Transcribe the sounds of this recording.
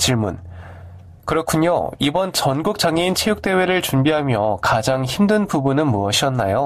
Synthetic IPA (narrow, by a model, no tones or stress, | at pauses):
t͡ɕiɭmun | kɯɾʌkʰuɲo̰ibʌnt͡ɕʌnɡuk̚t͡ɕ͈aŋeint͡ɕʰejuk̚t͈e̞we̞ɾɯɭt͡ɕumbiɦamjʌ̰kad͡ʑaŋçimdɯnpubunɯnmuʌɕʰiʌnːajo